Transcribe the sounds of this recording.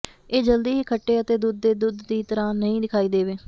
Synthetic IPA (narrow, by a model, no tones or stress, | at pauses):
eːd͡ʒəld̪iːɦiːkʰəʈːeːət̪eːd̪ʊd̪̚ːeːd̪ʊd̪ːiːt̪əɾãːnəĩːd̪ɪkʰaːiːd̪eːʋeː